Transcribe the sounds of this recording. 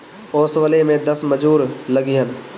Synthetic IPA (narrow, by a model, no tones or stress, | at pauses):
oːsʋəlemẽd̪ɐsməd͡ʒuːɾlɐɡiɦən